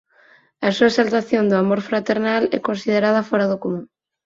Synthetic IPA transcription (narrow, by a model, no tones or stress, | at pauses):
ɐsuaesalt̪aθjond̪oamoɾfɾat̪eɾnalɛ̰konsið̞eɾað̞afɔɾaðokomũŋ